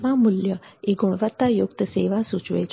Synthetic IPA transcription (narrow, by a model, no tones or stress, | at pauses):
ʋamuljəeɡuɽ̃ʋət̪ːajukt̪əseʋasut͡ʃʋḛt͡ʃ